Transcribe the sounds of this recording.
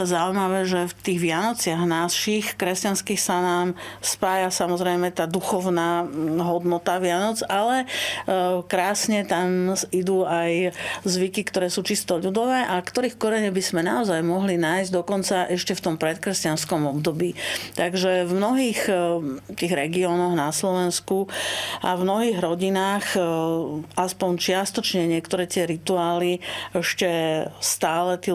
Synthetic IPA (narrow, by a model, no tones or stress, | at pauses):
azauimaʋɛːʒɛft̪iːɣʋɪanɔt͡sɪaɣnaʃixkɾɛscanskiːxsanaːmspaːjasamɔzɾɛjmɛt̪aːd̪uxɔʊnaːɦɔd̪nɔt̪aʋɪanɔd͡zalɛ | kɾaːsɲɛt̪amid̪uːajzʋikikt̪ɔɾɛːsuːt͡ʃist̪ɔʎud̪ɔʋɛːʔakt̪ɔɾiːxkɔɾɛɲɛbizmɛna̰ɔzajmɔɦlinaːjzɟd̪ɔkɔnt͡saʔɛʃcɛft̪ɔmpɾɛt̪kɾɛscanskɔmɔbd̪ɔbiːt̪aɡʒɛvmnɔɦiːxt̪iːɣɾɛɡiɔːnɔɣnaslɔʋɛnskua̰vmnɔɦiːɣɾɔɟinaːx | ʔaspɔɲt͡ʃɪast̪ɔt͡ʃɲɛɲɪɛkt̪ɔɾɛːt̪ɪɛɾit̪uaːliɛʃcɛst̪aːlɛt̪iː